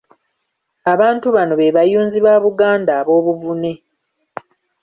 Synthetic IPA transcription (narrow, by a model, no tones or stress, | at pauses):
aβaːntuβano̞βe̞βajuːnziβaːβuɡaːndaːβo̞ːβuvune̞